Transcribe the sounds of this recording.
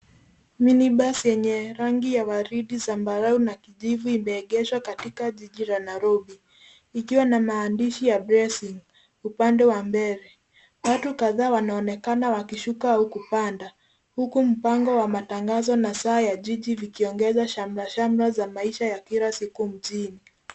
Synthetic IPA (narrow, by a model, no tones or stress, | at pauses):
miniɓasɛɲɛɾaŋɡijawaɾiɗizambaɾaunakiʄivuimɛːɠɛʃwakatikaʄiʄiɾanajɾɔɓi | ikiwanamaːndiʃijabɾɛsiŋ | upandɛwambɛɾɛ | watukaðaːwanaɔnɛkanawakiʃukaaukupanda | hukum̩paŋɡɔwamataŋɡazɔnasaːjaʄiʄivikiɔŋɡɛzaʃam̩laʃam̩ɾazamaiʃajakiɾasikum̩ʄini